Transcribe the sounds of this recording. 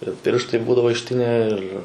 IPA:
ɪr ˈpʲɪrʃtɐɪ ˈbuːdɐʋoː ɪʃʲˈtʲɪnʲæː ˈɪr

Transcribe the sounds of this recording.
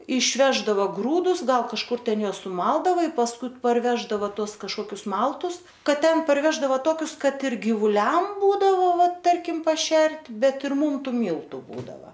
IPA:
ɪʃʲˈʋʲæːʒdɐʋɐ ˈɡruːdʊs ˈɡɐlˠ kɐʃˈkʊr ˈtʲɛn ˈjuɔs sʊˈmɐlˠdɐʋɐ ɪ pɐsˈkʊɪ pɐrʲˈʋʲæːʒdɐʋɐ ˈtuɔs kɐʃˈkoːkʲʊs ˈmɐlˠtʊs ˈkɐt ˈtʲɛn pɐrʲˈʋʲæːʒdɐʋɐ ˈtoːkʲʊs ˈkɐt ɪr ɡʲiːʋʊˈlʲɛm ˈbuːdɐʋoː ʋɐ ˈtɐrʲkʲɪm pɐˈʃʲɛrʲtʲ ˈbʲɛt ɪr ˈmuːm ˈtuː ˈmʲiːlˠtʊ ˈbuːdɐʋɐ

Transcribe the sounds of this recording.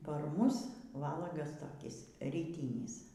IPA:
pɐr ˈmʊs ˈʋɑːlˠɐɡɐs toːˈkʲɪs rʲiːˈtʲiːnʲɪs

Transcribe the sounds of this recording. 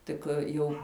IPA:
ˈtʲɪk ˈjuː

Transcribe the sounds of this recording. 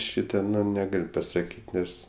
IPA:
ˈʃʲiːtɐ nʲɛˈɡɐlʲ pɐsɐˈkʲiːtʲ ˈnʲɛs

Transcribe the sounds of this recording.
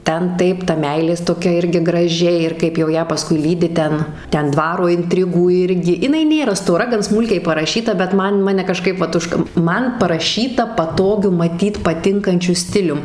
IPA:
ˈtʲɛn ˈtɐɪp tɐ ˈmʲɛɪlʲeːs toːˈkʲɛ ˈɪrʲɡʲɪ ɡrɐˈʒʲɪ ɪr kɐɪp jɛʊ ˈjæː pɐˈskʊɪ ˈlʲiːdʲɪ ˈtʲɛn ˈtʲɛn ˈdʋɑːroː ɪnʲˈtʲrʲɪɡuː ˈɪrʲɡʲɪ jɪˈnɐɪ ˈnʲeːrɐ stoːˈrɐ ɡɐn ˈsmuːlʲkʲɛɪ pɐrɐˈʃʲiːtɐ bʲɛt ˈmɐn ˈmɑːnʲɛ kɐˈʃkɐɪp ˈʋɐt ˈʊʃkɐ ˈmɐn pɐrɐˈʃʲiːtɐ pɐˈtoːɡʲʊ mɐˈtʲiːt pɐˈtʲɪŋkɐnʲt͡ʃʲʊ ˈsʲtʲɪlʲʊm

